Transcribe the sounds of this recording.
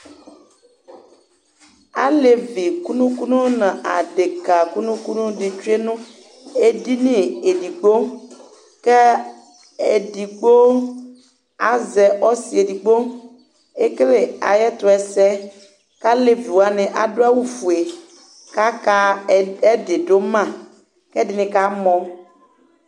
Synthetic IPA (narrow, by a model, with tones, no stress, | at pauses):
a̰˦le˨vi˨ku˦nũ˦ku˦nũ˦nã˨ʔa˨ɖe˨ka˨ku˦nũ˦ku˦nũ˦de˨t͡ʃe˦nũ˦ | e˦di˦nĩ˦e˨di˨ɡ͡bo˦ | ke˦ | e˨di˨ɡ͡bo˦ | a̰˦zɛ˨ʔɔ˦si˨e˨di˨ɡ͡bo˦ | e˦kle˨a̰˨jɛ˦t̪o˨ɛ˨sɛ˦ | ka˦le˨vi˨wa˨nẽ˨ʔa̰˨do˦a˦wu˦fu˨e˨ | ka˦ka˦e˦de˨ɖo˦mã˦˨ | kɛ˦dɪ˨nɪ̃˦ka˦mɔ̃˦